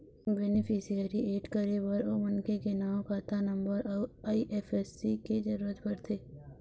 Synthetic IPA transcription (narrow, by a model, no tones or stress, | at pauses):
bɛnɪpʰisijəɾieːʈkəɾewəɾoːmɐnkekenaːwkaːt̪anɐ̃mbəɾɔːaːiʔeːfʰɛːsːiked͡ʒɐɾuːɾət̪pəɾt̪ʰeː